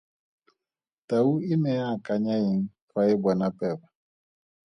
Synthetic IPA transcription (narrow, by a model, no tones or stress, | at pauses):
tauinɛjakaɲaiŋ̩fʰwaɪbɔnapɛba